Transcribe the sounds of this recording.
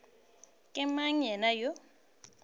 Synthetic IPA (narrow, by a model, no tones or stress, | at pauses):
kʼɛmaɲɛnajo